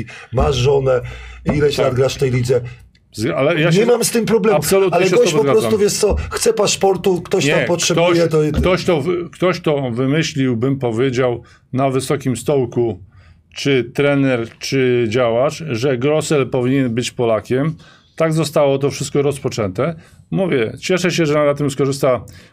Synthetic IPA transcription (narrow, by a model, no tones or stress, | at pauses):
maʐːɔnɛilɛɕnad̪ɡɾaʂft̪ɛjlʲid̪zɛ | zalɛjaɲɛmamst̪ɪmpɾɔblɛapsɔlut̪alɲɛɛɔɔpɔzɡaɾɔszamt̪uvʲjɛst̪sɔxt̪sɛpaʂpɔɾt̪ukt̪ɔɕɲt̪apɔtʂɛbt̪ɔɕjjɛt̪ɔkt̪ɔɕt̪ɔkt̪ɔɕt̪ɔvɘmɘɕlʲiwbɘmpɔvʲjed͡ʑaw | navɘsɔkʲimst̪ɔwku | t͡ʂɘt̪ɾɛnɛɾt͡ʂɘd͡ʑawaʂʐɛɡɾɔsɛlpɔvʲiɲɛnbɘt͡ɕpɔlakʲɛm | t̪aɡzɔst̪awɔt̪̬ɔfʂɘst̪kɔɾɔspɔt͡ʂɛnt̪ɛ | muvʲjɛt͡ɕɛʂɛɕɛʐɛnat̪ɘmskɔʐɘst̪a